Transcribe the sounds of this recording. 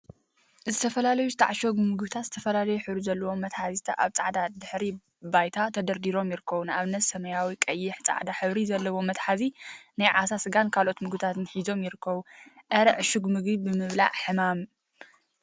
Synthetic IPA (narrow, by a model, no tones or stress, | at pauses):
zɨt̪ʰɐfɐlalɐjuzɨt̪ʰaʕaʃoɡmɨɡβt̪ʰat̪z̥ɨ̥t̪ʰɐfɐlalɐjuħɨβɾizɐlːɐwo̞mːɐt̪ħazit̪ʰaʔaβt͡sʼaʕd̪ad̪ɨħɾi | bajt̪ʰat̪ʰɐd̪ɐɾd̪iɾo̞mjɪɾɨkʰːɐβunaβɨnːɐsɐmɐjawikʼɐjːɪħt͡sʼa̰ʕd̪aħɨβɾizɐlːɐwo̞mɐt̪ħazinajʕasasɨɡankʰalʔo̞t̪mɨɡɨt̪ʰat̪ɨnħizo̞mjɪɾɨkʰːɐβuʔɐɾʕʃuɡmɨɡbibɨmɨβla̰ʕħɨmam